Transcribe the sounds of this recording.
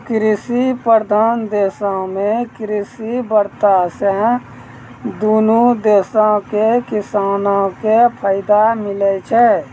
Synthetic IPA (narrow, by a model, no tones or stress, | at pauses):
kɾɪsipəɾd̪ʱaːnd̪eːsãmẽkɾɪsibəɾt̪asɛ | d̪uːnud̪eːsãkekɪsaːnõkepʰəɪd̪amɪlɛt͡ʃʰɛ